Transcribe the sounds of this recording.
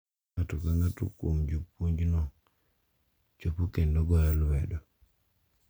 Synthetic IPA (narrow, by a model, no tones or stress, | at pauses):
atukaŋatṵkumd͡ʒupuɲd͡ʒnɔ | t͡ʃopukendoɡɔjalwɛdɔ